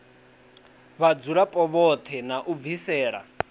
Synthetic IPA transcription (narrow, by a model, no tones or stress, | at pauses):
βad͡zuɺapʼɔβɔt̪ʰɛnaʔub̪visɛːɺa̰